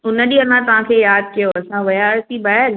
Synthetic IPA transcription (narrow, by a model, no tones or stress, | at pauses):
ʊnəɗiɐnãt̪ɐʋ̤ãkʰeːjaːd̪̚kijoɐsãʋɐjaːɾt̪ibɐəl